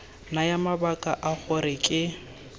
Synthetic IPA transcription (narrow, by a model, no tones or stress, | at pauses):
najamabakʼaʔaɣʊɾɪkʼɪ